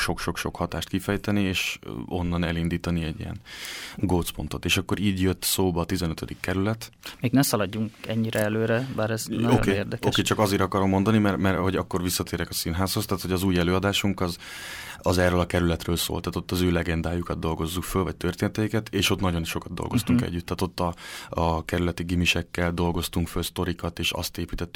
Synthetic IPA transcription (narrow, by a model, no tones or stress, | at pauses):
ʃo̞kʃo̞kʃo̞khɒt̪aːʃt̪̚kifɛjt̪ɛnieːʃo̞nːɒnɛlind̪iːt̪ɒniɛɟːḭjɛ̰nɡoːt̪spo̞̰nt̪o̞̰t̪eːʃɒkːo̞ɾiːɟjøt̪ːsoːbɒːt̪izɛnøt̪ød̪ikːɛɾylɛt̪meːɡnɛsɒlɒɟːuŋkɛɲːiɾɛɛløːɾɛbaːɾɛzno̰keːeːrd̪ɛkːkeːt͡ʃɒkɒzeːɾɒkɒɾo̞mːo̞nd̪ɒnimɛrmɛrho̞ɟɒkːo̞rvisːɒt̪eːɾɛkɒsinɦaːshost̪aːt̪ho̞ɟɒzuːjɛløːɒd̪aːʃuŋkɒz | ɒzɛrːøːlɒkɛɾylɛt̪røːlso̰ːlt̪aːt̪o̞t̪ːɒzøːlɛɡɛnd̪aːjukɒd̪̚d̪o̞lɡo̞zːukfølvɒc̚t̪ørt̪eːnɛt̪ɛjikɛt̪eːʃo̞t̪nɒɟo̞nʃo̞kɒd̪d̪o̰lɡo̞st̪uŋkɛ̰ɟːyt̪ːaːt̪o̞t̪ːɒɒkɛɾylɛt̪iɡimiʃɛkːɛld̪o̞lɡo̞st̪uŋkfølst̪o̞ɾikɒt̪eːʃɒ̰st̪eːpiːt̪ɛt̪ːy